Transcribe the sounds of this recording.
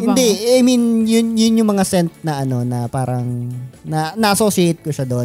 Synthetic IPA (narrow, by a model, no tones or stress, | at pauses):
hɪnd̪ɛajminjʊnjʊnjʊŋmɐŋasɛnt̪̚nɐʔɐno̞nɐpaːɾɐŋnɐnɐʔɐsoːsɪʔejt̪̚kʊʃad̪on